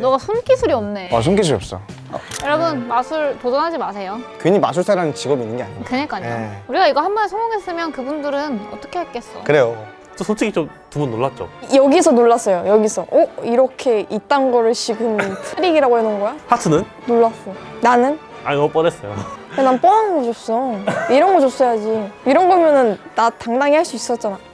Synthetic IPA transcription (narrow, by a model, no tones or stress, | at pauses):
nʌɡasʰunk͈isʰuɾiʌmne̞as̬ʰunkisʰuɾiʌp̚s͈ʌ̰ | ʌ̰jʌɾʌbɯnmasʰuɭtodʌnɦad͡ʑimas̬ʰe̞jokeɲima̰sʰuɭsʰaɾanɯnt͡ɕiɡʌbinːɯnɡe̞a̰ɲikɯɲik͈aɲoeuɾiɡaiɡʌhambʌnesʰoŋoŋes͈ɯmjʌnkɯbundɯɾɯnʌt͈ʌkʰe̞haɭk͈es͈ʌ̰kɯɾe̞jo | t͡ɕ͈osʰont͡ɕʰiɡit͡ɕ͈om | tubunːoɭːat̚t͡ɕ͈o̰jʌɡisʰʌnoɭːas͈ʌjojʌɡisʰʌʔoiɾʌkʰe̞it̚t͈anɡʌɾɯɭɕʰiɡɯntʰɯɾiɡiɾaɡoɦenɯnɡʌjahʰatʰɯnɯn | noɭːas͈ʌjonanɯn | a̰ɡʌp͈ʌɾes͈ʌjo̰enanp͈oɦanɯnɡʌt͡ɕops͈ʌiɾʌnɡʌt͡ɕos͈ʌjad͡ʑiiɾʌnɡʌmjʌnɯnːataŋdaŋiɦaɭs͈uis͈ʌt̚t͡ɕ͈ana